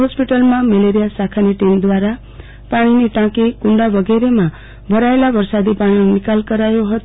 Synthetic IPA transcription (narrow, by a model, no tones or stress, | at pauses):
ɦospiʈəlmãmeleɾijasakʰaniʈimd̪waɾa | paɽ̃iniʈãkekuɳɖabʌɡeɾema | bʱʌɾaelabʌɾsad̪ipaɽ̃inikalkʌɾajoɦʌt̪